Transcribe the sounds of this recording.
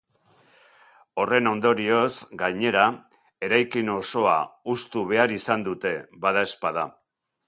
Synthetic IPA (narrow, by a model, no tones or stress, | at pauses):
o̞re̞no̞nd̪o̞ɾio̞sɡajɲe̞ɾa | e̞ɾajkino̞so̞a̰ust̪uβ̞e̞aɾisand̪ut̪e̞βaðae̞spað̞a